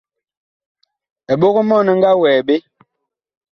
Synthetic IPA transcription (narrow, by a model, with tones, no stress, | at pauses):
ɛ˨ɓo˦ɣo˦mɔ˦˨nɛ˦ŋ˦ɡa˦wɛː˨ɓe˦